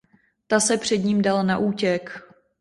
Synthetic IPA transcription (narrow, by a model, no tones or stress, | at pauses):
t̪asɛpr̝̥ɛdɲiːmdalnaʔuːcɛk